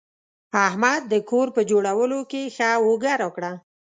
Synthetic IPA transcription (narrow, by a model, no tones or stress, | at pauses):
ahmad̪̚ːəkoɾpəd͡ʒoɽawəlokexawoɡaɾwəkɽa